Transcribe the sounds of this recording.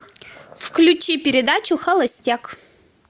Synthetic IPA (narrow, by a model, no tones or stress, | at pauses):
fklʲut͡ʃipʲɪɾʲɪd̪at͡ʃuxɐlˠɐsʲtʲak